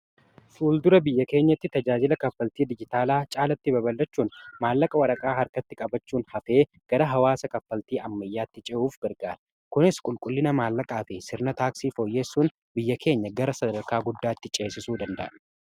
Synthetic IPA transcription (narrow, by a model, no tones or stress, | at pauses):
fuːld̪ʊɾɐbɪjːɐke̞ːɲːɐt̪ːɪt̪ɐd͡ʒaːd͡ʒɪlɐkɐfːɐlt̪iːd̪ɪd͡ʒɪt̪aːlaːt͡ʃʼaːlɐt̪ːɪbɐbɐlːɐt͡ʃːuːnmaːlːɐkʼɐwɐɾɐkʼaːɦɐɾkɐt̪ːɪkʼɐbɐt͡ʃːuːnhɐfe̞ː | ɡ̥ɐɾɐɦɐwaːsɐkɐfːɐlt̪iːɐmːɐjːaːt̪ːɪt͡ʃʼɛuːfɡɐɾɡaːɾɐ̥ | kʊnɪskʼʊlkʼʊlːɪnɐmaːlːɐkʼaːfɪsɪɾnɐt̪aːksiːfo̞ːjːeːsːuːn | bɪjːɐkʰe̞ːɲːɐɡɐɾɐsɐd̪ɐɾkaːɡʊd̪ːaːt̪ːɪt͡ʃʼeːsɪsuːd̪ɐnd̪ɐ̰ʔɐn